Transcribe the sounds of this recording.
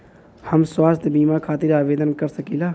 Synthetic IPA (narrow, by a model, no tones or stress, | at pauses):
həmswaːst̪ʰbiːmakʰaːt̪ɪɾaːʋeːd̪ənkəɾsəkiːlaː